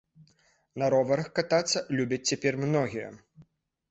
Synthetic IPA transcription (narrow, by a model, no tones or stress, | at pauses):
nɐɾɔvɐɾɐxkat̪at̪sːɐlʲubʲɐt͡sʲt͡sʲɛpʲɛrmnɔɣʲijɐ̰